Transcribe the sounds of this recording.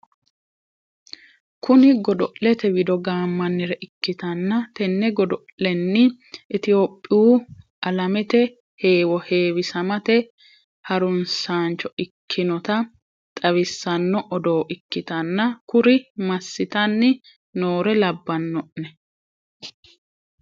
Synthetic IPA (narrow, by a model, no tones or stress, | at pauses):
kʊnɪɡɔd̪ɔʔlɛt̪ɛwɪd̪ɔɡaːmːɐnːɪɾɛʔɪkːɪt̪ɐnːɐt̪ɛnːɛɡɔd̪ɔʔlɛnːɪ | ɪt̪ɪjoːpʼːɪuː | ʔɐlɐmɛt̪ɛ | he̞ːwɔhe̞ːwɪsɐmɐt̪ɛ | hɐɾʊnsaːnt͡ʃɔɪkʰːɪnɔt̪ɐ | t̪ʼɐwɪsːɐnːɔʔɔd̪oːʔɪkːɪt̪ɐnːɐkʊɾɪmɐsːɪt̪ɐnːɪ | noːɾɛlɐbːɐnːɔʔnɛ